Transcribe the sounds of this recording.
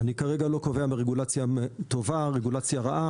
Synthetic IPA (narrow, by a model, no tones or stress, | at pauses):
anikaʁeɡalo̞kove̞ameʁeɡulat͡sjat̪o̞vaʁeɡulat͡sjaʁaʔa